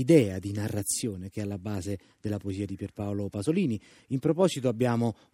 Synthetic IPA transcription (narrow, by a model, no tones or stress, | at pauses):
id̪ɛːad̪inarːat̪sːjoːnek̟eɛalːabːaːze | d̪̥elːapoeziːad̪ipɛrpaolopazoliːni | impɾopɔzit̪oabːjaːmo